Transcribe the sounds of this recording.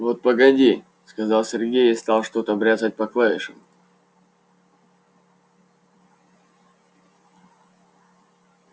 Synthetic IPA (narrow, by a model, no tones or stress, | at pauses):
vot̪̚pəɡɐdʲi | skɐzɑlˠsʲɪrɡʲejɪst̪ɑlˠʂt̪ot̪əbɾʲazət̚ʲpɐklˠaɪʂɨm